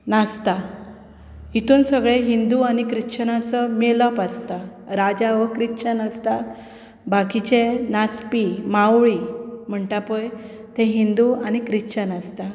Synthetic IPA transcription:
nast̪a | it̪uːnsəɡɭeɦind̪uanikɾiɕənasəmeləpast̪aɾad͡ʑaʋəkɾiɕənast̪a | bakit͡ɕẽnaspimawɭim̤əɳʈapəj | t̪ɛ̃ɦind̪uañikɾiɕənast̪a

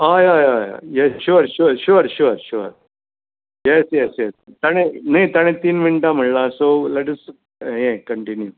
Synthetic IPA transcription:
ajaːjaja̰jɛsʃuɐɾʃuɾʃuɐɾʃuɐɾʃuɾ | jɛsjɛsjɛst̪ɐɳenet̪ɐɳet̪inʋiɳʈamɐɭːasoːlɛʈɐs | ẽkɐɳʈinju

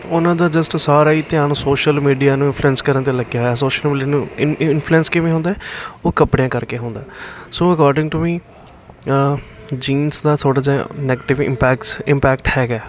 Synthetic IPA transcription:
ʊnãːd̪aːd͡ʒəsʈsaːɾaːiːt̪ɪãːnõːsoːʃəlmiːɖijaːnũːɪnpʰluɛnskəɾə̃nt̪̬eːləɡjaːɦojaːsoːʃəlmiːɖijaːnũːɪɪnpʰluɛnskɪʋẽɦõːnd̪aːɛoːkəpɽeãːkəɾkeːɦõːnd̪aːsoːəkaːɾɖɪ̃ŋɡʈumiː | d͡ʒiːnsd̪aːt̪ʰoːɽaːd͡ʒãːnɛːɡeʈɪʋɪ̰mpɛːksɪmpɛːkʈhɛːɡaː

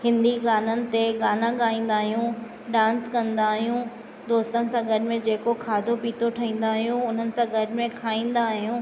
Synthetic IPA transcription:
hɪ̃nd̪iɡaːnənɪ̆t̪eɡaːnãɠaːĩːn̆d̪aːɦijũ | ɖãːnskɐ̃nd̪aːɦijũ | d̪oːst̪ənɪ̆sãɡʱɐʈɪ̆mẽd͡ʑeːkokʰaːd̪ʱopiːt̪ʰoʈʰɐĩːn̆d̪aːɦijũʊn̤ənɪ̆sãɡʱɐʈɪ̆mẽkʰaːĩːn̆d̪aːɦijũː

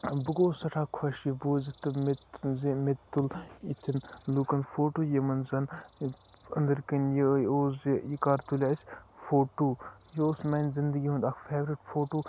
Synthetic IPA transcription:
bɨɡoːsɐʈʰaːkʰʋɐʃjɐboːzɐt̪ɨmetzimet̪ːulit̪ʰɐnluːkɐnfoːʈuːjɐmɐnzɐn | ɐ̰nd̪ɐɾkɐnjəjoːzijikaːɾt̪ulʲasʲfoːʈuː | joːsmɐnʲzind̪əɡiɦũnd̪ɐkʰfeːʋɾiʈfʰoːʈoː

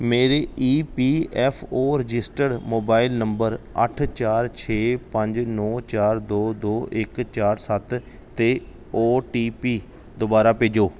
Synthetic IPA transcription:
meːɾeːʔiːpiːɛːpʰoːɾɪd͡ʒɪsʈəɖmoːbaːɪlnəmbəɾə̰ʈʰt͡ʃaːɾt͡ʃʰeːpə̃ɲd͡ʒnɔːt͡ʃaːɾd̪oːd̪oːɪkt͡ʃaːɾsət̪ | t̪eː | oːʈiːpiː | d̪ʊbaːɾaːpeːd͡ʒoː

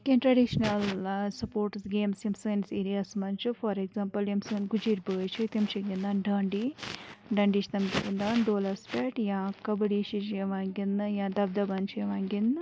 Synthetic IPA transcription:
kenʈɾɐɖiʃɐnɐlsɐpoːɾʈsɡeːmsjemsɐnseːɾijasmɐnt͡ʃufɐɾeɡzaːmpɐljemsnɡud͡ʒiːɾbɐt͡ʃet̪ɐmt͡ʃeɡind̪aːnɖɐːɳɖiɖɐɳɖit͡ʃt̪ɐmt͡ʃḛɡind̪aːnɖoːlɐɾspɛːʈjãːkɐbɐɽiːʃit͡ʃeʋaːŋɡinjãːd̪ɐb̚d̪ɐbɐnt͡ʃejʋaːŋɡin

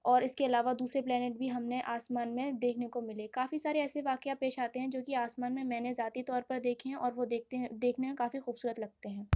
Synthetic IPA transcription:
ɔːɾɪskeɐlaːʋad̪uːsɾeplɛːneːʈ̚bʱiɦɐmneʔaːsmaːnmẽd̪eːkʰnekomɪlekaːfisaːɾeɛːseʋaːkjapeːʃaːt̪eɦɛ̃d͡ʒoːkiaːsmaːnmẽmɛ̃ːnezaːt̪it̪ɔːɾpɐɾd̪eːkʰeɦɛ̃ʔɔːɾʋod̪eed̪eːkʰnemẽkaːfixuːbsuːɾət̪lɐɡ̚t̪eɦɛ̃ː

